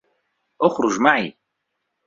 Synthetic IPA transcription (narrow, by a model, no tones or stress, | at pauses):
ʔʊxɾʊʒmaʕi